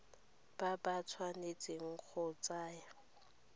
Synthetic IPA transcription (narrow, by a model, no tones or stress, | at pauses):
b̥abat͡sʰwanet͡sʼɪŋ̩k͡xʰʊt͡saːja